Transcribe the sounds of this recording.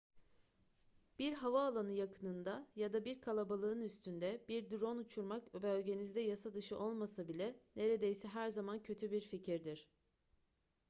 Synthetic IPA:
b̥iɾɦavaːlˠanɯjakʰɯnɯnd̪ajad̪abiɾkʰalˠabalˠɯɯnyst̪ʰynd̪ɛbiɾd̪ɾo̞nut͡ʃʰuɾmakbølʲɟe̞nizd̪ɛjasad̪ɯʃɯʔo̞lˠmasabilʲɛne̞ɾe̞d̪e̞jsɛɦæɾzamancʰø̞t̪ʰybiɾficʰiɾd̪iɾ̝̥

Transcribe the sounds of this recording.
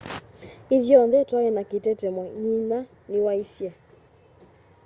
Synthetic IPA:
iðjɔnðɛtwaɛnaketɛtɛmɔɲina | newaisja

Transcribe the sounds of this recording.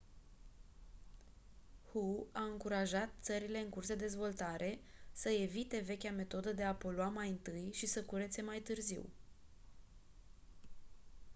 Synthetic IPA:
huaɨŋkuɾaʒat̪̚t̪səɾile̞ɨŋkursd̪ed̪e̞zvo̞lt̪aɾʔe̞səe̞vit̪e̞ve̞kʲame̞t̪o̞d̪əd̪e̞apo̞loamajɨnt̪ɨjʃisəkuɾet̪se̞majt̪ɨrzḭw

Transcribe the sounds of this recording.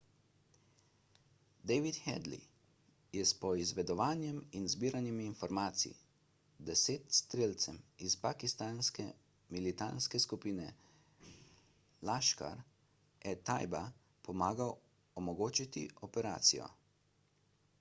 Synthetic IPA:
d̪ɛjʋit̪xɛ̰d̪lḭ | jɛspɔizʋɛd̪ɔʋaːnjɛminzbiːɾanimiːnfɔɾmaːt̪sḭḭ | d̪ɛseːt̪st̪ɾeːlt̪sɛmispakist̪anskɛ | milit̪anskɛskupiːnɛ | laʃka̰ɾ | ɛt̪ajba | pɔmaːɡaw | ɔmɔɡoːt͡ʃit̪ḭʔɔpɛɾa̰ːt̪sḭjɔ̰

